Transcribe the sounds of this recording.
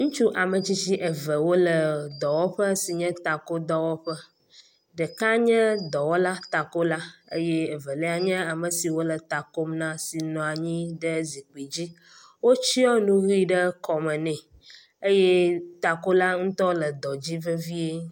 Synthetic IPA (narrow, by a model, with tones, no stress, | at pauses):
ŋũ˦t͡ʃu˦ʔa˨mə˨t͡ɕi˦t͡ɕi˦ʔə˨və˨wo˦lə˨d̪ɔ˨wɔ˦ɸə˦si˨ɲɛ̃˦t̪a˨ko˦d̪ɔ˦wɔ˦ɸə˦ | ɖə˨ka˦ɲɛ̃˦d̪ɔ˨wɔ˦la˦t̪a˨ko˦la˦ə̰˦jɛ˦e˨və˨lɛ˦a˨ɲɛ̃˦a˨mə˨si˨wo˦lə˨t̪a˨ko˦mnã˦si˨nɔ̃˨a˨ɲĩ˦ɖə˦zi˨k͡pi˨d͡ʑi˦ | wo˦t͡ɕi˦ɔ˦nũ˦ɣi˦ɖə˦kɔ˨mə˨nɛ̃˨ | ə˦jɛ˦t̪a˨ko˦la˦ŋũ˦t̪ɔ˦lə˨d̪ɔ˨d͡ʑi˦və˦vi˦e˦